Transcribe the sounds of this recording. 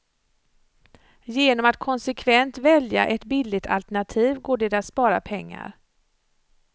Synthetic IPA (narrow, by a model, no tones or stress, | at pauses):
jeːnɔmat̪kʰɔnsɛkʰvɛnt̪vɛlja̰ʔɛt̪bɪlːɪt̪ʰa̰lt̪æɳat̪ʰiːvɡoːɖɛd̪at̪spɑːɾa̰pʰɛŋːa̰ɾ